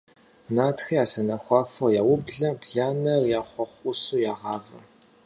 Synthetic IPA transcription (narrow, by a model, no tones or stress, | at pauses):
naːtxiaːsɐnɐxʷɑːfɐjaːwʊbɮɐbɮaːnɐrjaːχʷɔχʷʔʊsuːjaːʁɑːvɐ